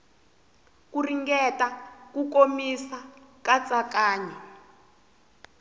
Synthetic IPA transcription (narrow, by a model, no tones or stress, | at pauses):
kuriŋɡɛtakukomisakat͡sʼakaːɲɛ